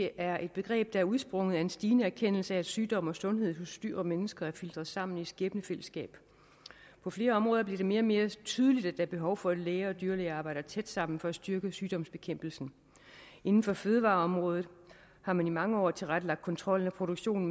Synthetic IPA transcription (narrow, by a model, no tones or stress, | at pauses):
eʔæɐʔe̝d̥̚b̥e̝ɡ̥ʁɛ̰ːb̥̚d̥ɑ̈æɐuð̞ˠsb̥ʁɔ̽ŋðˠæe̝nsd̥iːnəæɐkʰen̰l̩səæ̥ːsyːd̥ɒ̽m̰ɒ̽sɔ̽nɦe̝ð̰ˠɦɔ̽sd̥yɐ̰ɒ̽menəsɡ̥ɐæɐfild̥ʁɐðˠsɑ̈m̰n̩i̥sɡ̥eːb̥nəfel̰əsɡ̥ɛ̰ːb̥ | pʰɒ̽fle̝ːɐɒ̽mʁɔ̽ːðˠɐb̥liɐɾ̥e̝me̝ːɐme̝ːɐt͡sʰyːð̞ˠəlid̥æd̥æɐb̥e̝ɦɒ̽ʊfɒ̽æd̥leːɐɒ̽d̥yːɐleːɑːb̥ɑ̈ɪ̰d̥ɐt͡sʰed̥sɑ̈m̰n̩fɒ̽æsd̥yɐɡ̥əsyːd̥ɒ̽m̰sb̥e̝kʰem̰b̥l̩sn̩ | ʔe̝nn̩fɒ̽føːðˠəʋɑ̈ːɒ̽mʁɔ̽ːð̞̩ˠ | hɑ̈mænimɑ̈ŋəɒ̰ːt͡sʰe̝lʁad̥əlɑ̈ɡ̥̚kʰɒ̽nt͡sʰʁɒ̽l̰n̩æpʰʁo̝ɾ̥oɡ̥ɕo̝̰ːn